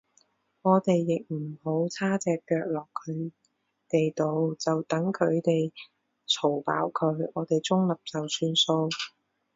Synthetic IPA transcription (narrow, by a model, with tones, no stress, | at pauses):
ŋɔː˨˧t̪e˨jːɪ˨k̚m̩˨˩ho˨˥wt͡sʰaː˥t͡sɛː˨kːœː˧k̚lɔː˨kʰːɵ˨˧ɥ | t̪e˨jt̪o˨˧wt͡sɐ˨wt̪ɐ˨˥ŋkʰɵ˨˧ɥt̪e˨j | t͡sʰo˨˩wpa̰ː˨˥wkʰɵ˨˧ɥɔː˨˧t̪e˨jt͡sʊ˥ŋlɐ˨p̚t͡sɐ˨wsyː˧nso˧w